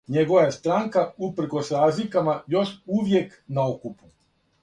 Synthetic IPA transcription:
ɲeɡo̞ʋajest̪ɾaːŋkaupr̩ɾ̩ko̞sɾaːzlikamajo̞ʃuʋje̞k | naokupu

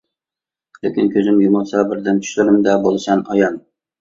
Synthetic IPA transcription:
lɪkʲɪnkʲʰøzɪmjumɑlˠsɑbɪɾd̪ɪnt̪ʰy̥ʃlɪɾɪmd̪ɛbolˠɨsɑnɑjɑn

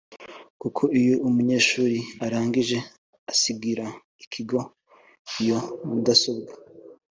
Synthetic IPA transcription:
kukʰo̞ijoumuɲe̞ːʃuːɾiaɾaːŋɡiʒe̞ | asibɡiɾa | ikʰiɡo̞ | ijo̞udaso̞bɡa

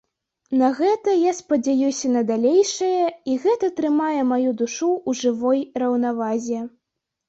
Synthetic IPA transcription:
nɐɣɛt̪ɐjaspɐd͡zʲajusʲɐnɐd̪alʲejʂɐjɐiɣɛt̪ɐt̪ɾɨmajɛmajud̪uʂuuʐɨvɔjrɐwnavazʲɛ

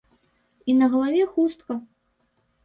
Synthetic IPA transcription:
inɐɣɐlˠavʲɛxust̪̚kɐ

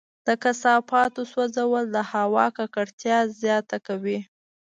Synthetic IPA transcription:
d̪̥əkasɑpɑt̪oswazawəld̪əhawɑkakaɽt̪jɑzjɑt̪akawi

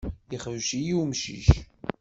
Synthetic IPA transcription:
iχəðʃijiwmʃḭʃ

